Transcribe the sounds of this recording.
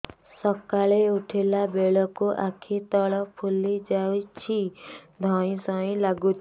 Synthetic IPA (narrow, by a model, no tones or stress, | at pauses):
sɔkaɭeuʈʰelabeɭɔkuʔakʰit̪ɔɭɔpʰulid͡ʒawt͡ʃʰid̪ʱɔĩsɔĩlaɡut̪ʰi